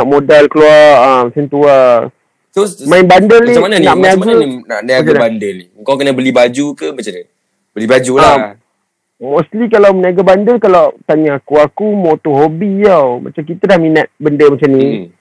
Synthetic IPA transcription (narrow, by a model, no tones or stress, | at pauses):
aʔmodalkəluaamsənt̪ua | somãinbandəlimananaʔməɲaɡmaaninaʔnaɡanabandəliəŋkawkənəbəlibad͡ʒukəmat͡ʃanə | bəlibad͡ʒula | mɔslikalawməniaɡabandəlkalawt̪aɲaakuakumot̪oɦobijawmʔa̰t͡ʃamkit̪ədahminat̪̚bəndəmat͡ʃamni